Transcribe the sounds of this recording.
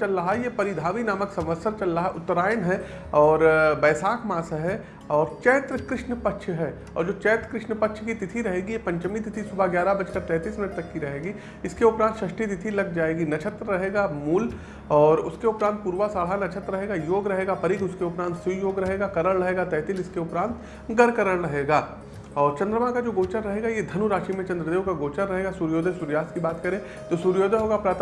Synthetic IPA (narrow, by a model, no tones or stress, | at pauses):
ɐlɾɐɦajepɐɾɪd̪ʱaːʋinaːməksɐ̃mʋəsəɾt͡ʃɐlːaɦaʔʊt̪ːɾaːjənɦɛ | ɔːɾbɛːsaːkʰmaːsɦɛ | ɔːɾt͡ʃɛːt̪ɾəkɾɪʃnpɐtːʃʰɦɛ | ɔ̰ːɾd͡ʒoːt͡ʃɛːt̪ɾəkɾɪʃnəpɐkːʃʰkit̪ɪt̪ʰiɾɐɦeːɡijepɐ̃ɲt͡ʃəmit̪ɪt̪ʰisʊbʱaɡjaːɾabɐt͡ʃkəɾt̪ɛ̃ːt̪iːsmɪnəʈ̚t̪ɐkːiɾɐɦeːɡi | ɪskeʊpɾãːnt̪ʃɐʃʈit̪̬ɪt̪ʰilɐɡ̚d͡ʒaːeːɡinɐt͡ʃʰət̪ɾːɐɦeːɡamuːl | ɔːɾʊskeʊpɾãːnt̪̚puːɾʋasaːɭɦanɐt͡ʃʰət̪ɾɐɦeːɡajoːɡɾɐɦeːɡapɐɾɪkʊskeʊpɾãːnt̪sijoːɡɾɐɦeːɡakɐɾəɽɾɐɦeːɡat̪ɛːt̪ɪlɪskeʊpɾãːnt̪ | ɡɐɾkɐɾəɽɾɐɦeːɡaː | ɔːɾt͡ʃɐ̃nd̪ɾəmãkad͡ʒoːɡoːt͡ʃənɾɐɦeːɡajed̪ʱɐnuɾaːʃimẽt͡ʃɐ̃nd̪ɾəd̪eːʋkaɡoːt͡ʃənɾɐɦeːɡasuːɾjoːd̪ʱesuːɾjaːskibaːt̪kɐɾẽ | t̪oːsuːɾjoːd̪eɦoːɡapɾaːt̪